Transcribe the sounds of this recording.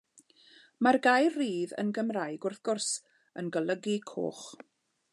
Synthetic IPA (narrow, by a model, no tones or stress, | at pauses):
marɡajrriːðə̰nɡəmrajɡʊrθɡ̥ʊrs | ənɡəlˠəɡikʰo̰ːχ